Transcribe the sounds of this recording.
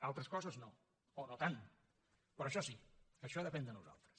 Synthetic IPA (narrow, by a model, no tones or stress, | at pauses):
alˠt̪ɾəskɔzəzno | onot̪an | pɾɔəʃɔsiəʃɔðəpɛnd̪ənuza̰lˠt̪ɾəs